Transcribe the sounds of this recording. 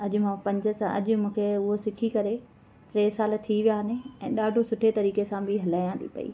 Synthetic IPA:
ɐʄʊ̆mãpɐ̃ɲd͡ʑə̆sãʔɐ̰ʄʊmũːkʰeʊɦosɪkʰikɐɾe | ɾeːsaːlt̪ʰiʋijaɦnẽɛ̃ːɗaːɖʱosʊʈʰet̪ɐɾiːkesãbʱɪɦɐlaːjãːnd̪ḭpɐ̰ḭː

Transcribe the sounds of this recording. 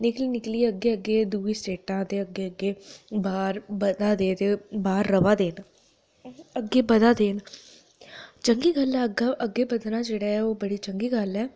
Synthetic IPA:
nɪklinɪklieəɡːeːəɡeːd̪uːiːsʈeːʈãːt̪eːəɡːeːəɡːeːbaːɾbəd̪aːd̪eːt̪ebaːɾːəʋaːd̪eːn | əɡːeːbəd̪aːd̪eːn | t͡ʃəŋɡiːɡəlɛəɡaʔəɡːeːbəd̪naːd͡ʒeːɽaːɛoːbəɽiːt͡ʃəŋɡiːɡəlɛː

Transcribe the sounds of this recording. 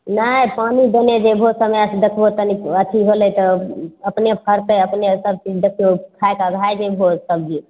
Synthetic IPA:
nəpanid̪ened͡ʒebʱosəmɛəsd̪ekʰbot̪ənikət̪ʰiɦolət̪ɔəpnepʰəɾt̪eəpnesəb̚t͡ʃid͡ʒd̪ekʰijokʰaekaɡʱaed͡ʒebʱosəb̚d͡ʒi

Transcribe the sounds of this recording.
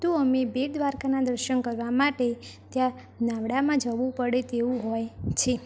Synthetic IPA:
t̪ũəmebeʈd̪ʋaɾkanad̪əɾʃənkəɾʋamaʈet̪jã | naʋɽamãd͡ʒəʋũpəɽet̪eũɦɔjt͡ʃʰe

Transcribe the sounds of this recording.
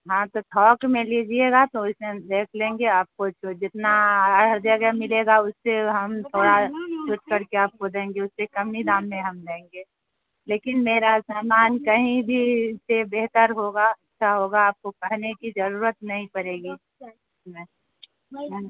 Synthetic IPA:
ɦãt̪ot̪ʰɔːkmẽled͡ʒieɡat̪oʊsmẽd̪eːkʰlẽːŋɡeaːp̚kot͡ʃod͡ʒɪt̪naəɽəd̪jəɡjəmɪleɡaʊsːeɦɐmt̪ʰoːɽat͡ʃʊʈ̚kəɾkeaːp̚kod̪ẽːŋɡeʊsːekɐmnid̪aːmːẽɦɐmd̪ẽːŋɡe | leːkɪnmeːɾasaːmaːnkəɦĩbʱisebeːɦt̪əɾɦoɡaɐtːʃʰaɦoːɡaːp̚kokɐɦnekid͡ʒəɾuːɾət̪nɐɦĩkəɾeːɡi | ʊsmẽ

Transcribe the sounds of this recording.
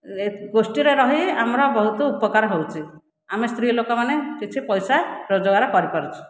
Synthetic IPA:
eɡosʈiɾeɾɔɦiamɾɔbɔɦut̪ɔupɔkaɾɔɦowt͡ʃʰi | amest̪ʰɾilokɔmanekit͡ʃʰipɔjsaɾod͡ʒɔɡaɾɔkɔɾipɔɾit͡ʃʰi̥

